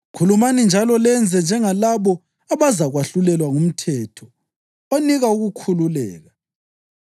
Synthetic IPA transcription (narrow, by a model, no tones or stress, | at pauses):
kʰulumanind͡ʒʱalɔlɛnd͡zʱɛnd͡ʒʱɛŋalaβɔ | aβazaɣwaɬulɛlwaŋum̩tʰɛːtʰɔ | oniɣauɣukʰululɛ̰ːɣa